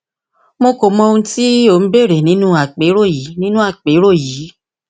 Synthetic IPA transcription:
mo˧ko˨mɔ̃˧ũ˧ti˦o˦˨n̩˦be˦˨ɾe˨nĩ˨˦nũ˦a˦˨k͡pe˨˦ɾo˦˨ji˨˦nĩ˦nũ˦a˦˨k͡pe˨˦ɾo˦˨ji˨˦

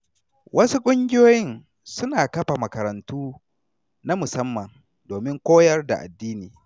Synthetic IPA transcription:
wʔɐ˦su˦kʷʼʊ˦ŋɡʲɪ˦joː˦jɪ˦n | sʊ˦naː˨kɐ˦ɸa˨mɐ˨kɐ˨ɾɐ˨ntuː˦ | na˦mʊ˨sɐ˦mːɐ˨n | doː˨mɪ˦ŋkʷoː˦jɐ˦rda̰˨ʔa̰˨dːiː˦niː˨

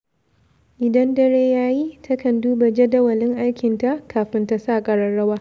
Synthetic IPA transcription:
ʔɪ˨dɐ˦ndɐ˦ɽeː˦jaː˦ji˦tʰɐ˦kɐ˨nduː˦ba˨d͡ʒɛ˦dɐ˦wɐ˨lɪ˦ŋʔa˦jkʲɪ˨nta˦ʔkʰaː˨ɸɪ˦nta˦saː˦˨kʼɐ˨ɽɐ˦ɽɐ˦waː˦

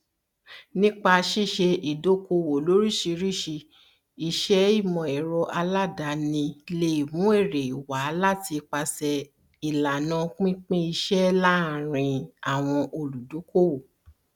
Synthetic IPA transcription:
nĩ˦k͡pa˧ʃi˦˨ʃe˧ʔi˨do˨˦ko˧wo˨lo˨˦ɾi˦˨ʃi˧ɾi˦˨ʃi˧ | i˧ʃɛ˦i˦˨mɔ̃˨ɛ˨ɾɔ˧ʔa˧la˦da˨˦nĩ˧le˧i˨mũ˨˦e˦˨ɾe˨i˨wa˨˦la˦ti˧k͡pa˧sɛ˧ | i˨la˨nã˨˦k͡pĩ˦k͡pĩ˦i˧ʃɛ˦la˦˨ɾ̃ĩ˧a˨w̃ɔ̃˧ʔo˧lu˨do˨˦ko˦wo˨

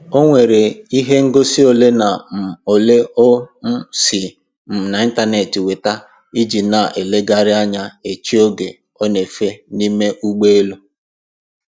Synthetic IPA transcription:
o˦ŋʷe˨ɾe˨i˦ɦe˦ŋ̩˦ɡo˦si˦o˨le˦na˨o˨le˦o˦m̩˦si˨ | m̩˨na˨i˦n˦ta˦ne˨ti˨we˨ta˦ | i˦d͡ʒi˨na˨ʔe˨le˦ɡa˦ɾɪ˦a˦ɲa˦e˨t͡ʃi˦o˦ɡe˨ | ɔ˦ne˨fe˦ni˦me˦ʔu˦ɡ͡be˦e˦lu˦

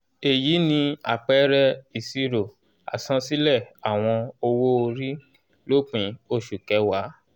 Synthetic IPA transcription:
e˨jiː˨˦nĩ˧a̰˨k͡pɛ˨˦ɾɛ˦i˨si˧ɾo˨ | a̰˨sã˦si˦lɛ˦˨a˨w̃ɔ̃˧o˧wo˦o˧ɾi˦ | lo˦k͡pĩ˨˦o˧ʃu˨kɛ˨˦wa˨˦

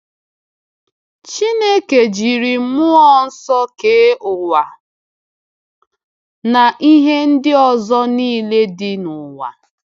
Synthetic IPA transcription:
t͡ʃi˦ne˦ke˨d͡ʒi˨ɾi˨˦mʊ˦ɔ˦n̩˦sɔ˦ke˨˦ʔʊ˨wa˨ | na˨ʔi˦ɦe˦n̩˦dɪ˦ɔ˨zɔ˦niː˦le˦dɪ˦nʊ˨wa̰˨

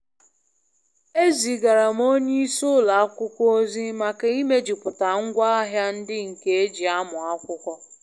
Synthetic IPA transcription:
e˦zi˨ɡa˨ɾa˨m˦o˦ɲe˦i˦sʊ˦la˨a˦kʷʊ˦kʷɔ˦o˦zi˦ma˨ke˨i˦me˦d͡ʒi˨pʊ˨ta˨ŋ̩˦ɡʷa˦a˦ɦja˦n̩˦dɪ˦ŋ̩˨ke˨e˦d͡ʒi˨a˦mʊ˨a˦kʷʊ˦kʷɔ˦

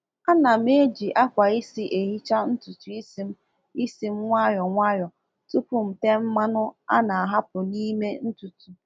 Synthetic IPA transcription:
a˦na˨me˦d͡ʒi˨ʔa˦kʷa˨i˦si˦ʔe˨ɦi˦t͡ʃa˦n̩˦tu˨tu˨i˦si˦m̩˦ | i˦si˦m̩˦ŋʷa˦jɔ˨ŋʷa˦jɔ˨ | tu˦pʊ˨m̩˨te˦m̩˦ma˦nʊ˦a̰˦na˨a˨ɦa˦pʊ˨ni˦me˦n̩˦tu˨tu˨

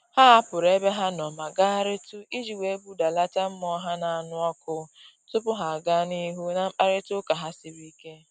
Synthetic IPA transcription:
ha˦a˦pʊ˨ɾe˦be˦ɦa˦nɔ˨ma˨ɡa˦ɾɪ˦tʊ˦i˦d͡ʒi˨we˨˦bu˦da˨la˦ta˦m̩˦mɔ˦ɦa˦na˨a˨nʊ˦ɔ˦kʊ˦ | tʊ˦pʊ˦ɦa˨ɡa˦ni˦ɦu˦na˨m̩˦k͡pa˦ɾɪ˦tʊ˦ka˨ɦa˦sɪ˦ɾi˦ke˦

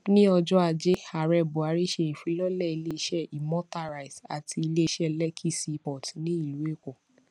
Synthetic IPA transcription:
nĩ˦ɔ˧d͡ʒɔ˦a˧˨d͡ʒe˦a˨ɾɛ˧˨bu˨a˨˧˦ɾi˦ʃe˧˨ĩ˨fĩ˧˦lɔ˦lɛ˦˨i˧le˦i˧ʃɛ˦˨i˨mɔ̃˦ta˦˨ɾa˨i˨sa̰˨tʰi˧i˧le˦i˧˦ʃɛ˦lɛ˦kʰi˦˨si˧pɔ˨tĩ˨˦nĩ˦i˦˨lu˨˦e˦˨ko˨

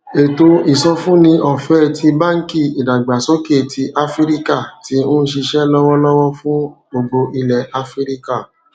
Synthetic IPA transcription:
e˨to˧i˨sɔ˧fũ˦nĩ˧ɔ˨fɛ˦˨tʰi˧ba˦ŋ̩˦ki˦˨i˨da˨ɡ͡ba˨sɔ˨˦ke˦˨ti˧ʔa˦fi˦ɾi˦ka˦˨ti˦nũ˦ʃi˧ʃɛ˦lɔ˦wɔ˦lɔ˦wɔ˦fũ˦bo˧ɡ͡bo˧ʔi˧lɛ˨ʔa˨fɾi˦ɾi˦ka˦˨

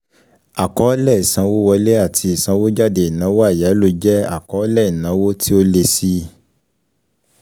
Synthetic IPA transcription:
a˨kɔ˨˦lɛ˦˨i˨sã˨˧wo˦wɔ˧le˦a˦˨tʰi˧i˨sã˨˧wo˦d͡ʒa˦˨de˧i˨nã˨˦wa˦˨ja˨˦lo˧d͡ʒɛ˦a̰˦˨kɔ˨˦lɛ˦˨i˨nã˨˦wo˦ti˦o˦le˧si˦

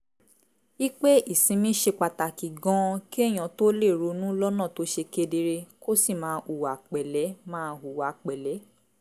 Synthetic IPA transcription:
i˦k͡pe˦i˦˨sĩ˨˧mĩ˦ʃe˧k͡pa˨ta˨ki˨ɡɔ̃˨˦˧ki˦e˦˨j̃ã˨to˦le˦˨ɾu˧˦nũ˦lɔ˦nã˦˨to˨˦ʃe˧ke˧de˧ɾe˧ko˦si˦˨mãː˨˦u˨wa˨k͡pɛ˨lɛ˨˦mãː˦˧u˨wa˨k͡pɛ˨lɛ˨˦

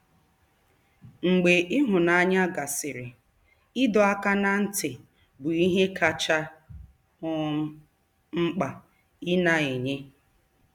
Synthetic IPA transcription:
ŋ͡m̩˨ɡ͡be˨ʔɪ˦ɦʊ˨na˨˦ɲa˦ɡa˨sɪ˨ɾɪ˨ | ɪ˦dɔ˨a˦ka˦na˦n̩˦tɪ˨ | bʊ˨i˦ɦe˦kʰa˦t͡ʃa˦ | ʊ˦ | ŋ͡m̩˦k͡pa˨ | i˦na˦e˨ɲe˦

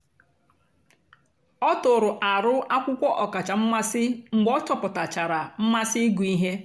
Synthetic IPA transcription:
ɔ˦tʊ˨ɾʊ˨ʔa˨ɾʊ˦ʔa˦kʷʊ˦kʷɔ˦ʔɔ˨ka˨t͡ʃa˨m̩˦ma˦sɪ˦ŋ̩˨ɡ͡bɔ˦t͡ʃɔ˨pʊ˨ta˨t͡ʃa˨ɾa˨m̩˦ma˦sɪ˦ɡu˨i˦ɦe˦

